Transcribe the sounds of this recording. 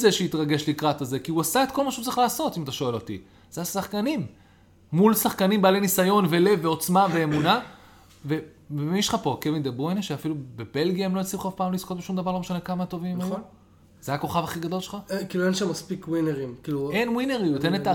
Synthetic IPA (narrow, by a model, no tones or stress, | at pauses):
zeʃeit̪ʁaɡe̞ʃlikʁataze̞kiuasae̞t̪̚kolmaʃeu̥t͡sʁiχlaːso̞t̪imat̪aʃo̞e̞lo̞t̪ḭ | z̥easaχkanimː | ulsaχkanimbaːlejnisajo̞nvele̞vːeo̞t͡smave̞ːmuna | ve̞ | emiʃχapo̞kevind̪eboeneʃeafilubebe̞lɡiaemlo̞jot͡siuχafpaːmlisko̞t̪̚beʃumd̪ɐvaʁloeʃane̞kamat̪o̞vimmaju | zeako̞χavaχiɡad̪o̞lʃelχakiːluenʃamːɐspikwineʁimkiːluenwineʁiut̪enet̪a